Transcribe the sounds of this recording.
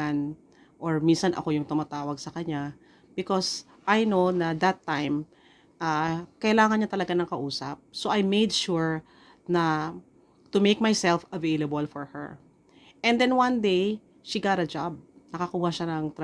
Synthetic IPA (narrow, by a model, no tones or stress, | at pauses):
n | ʔɔɹminsɐnʔɐ̰ko̞jʊŋt̪ʊmat̪aːwɐɡ̚sɐkɐɲa | b̥ɪkos | ʔajnonɐd̪ɐt̪ːãjm | ʔakɐʔɪlaːŋɐnɲat̪ɐlɐɡanɐŋkɐʔuːsɐp̚soʔajmejd̪ʃuɹ | nɐ | t̪ʊmejk̚majsɛlfɐvejlɐbɐlfɔɹhɛ̰ɹ | ʔɛ̃nd̪ɛ̃nwãnd̪ej | ʃiɡat̪ɐd͡ʒab̚nɐkɐkuːhɐʃanɐŋt̪ɾ